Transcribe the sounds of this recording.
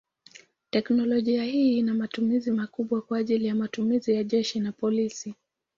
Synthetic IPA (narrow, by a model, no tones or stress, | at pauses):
tɛknɔlɔʄiahiːnamatumizimakuɓwakwaːʄilijamatumizijaʄɛʃinapɔlisi